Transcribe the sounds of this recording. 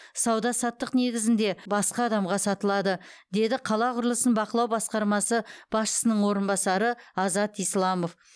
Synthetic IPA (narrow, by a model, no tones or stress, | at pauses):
sɑwd̪ɑsɑt̪ːəqne̞ɡʲɪzɪnd̪e̞bɑsqɑːd̪ɑmʁɑsɑt̪əlˠɑd̪əd̪e̞d̪ɪqʰɑlˠɑqʰʊɾlˠəsənbɑqəlˠɑwbɑsqɑɾmɑsəb̥ɑsʃə̥sənəɴwo̞ɾənbɑsɑɾəɑzɑt̪ijslˠɑmo̞f